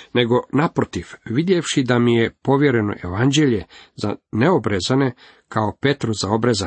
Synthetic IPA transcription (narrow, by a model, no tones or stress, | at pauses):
ne̞ɡo̞napɾot̪iʋʋid̪jeʋʃid̪amijepo̞ʋjeɾe̞no̞̰ʔḛʋand͡ʑe̞ʎez̥aneobɾezane̞ | kʰaope̞t̪ɾozao̞bɾeza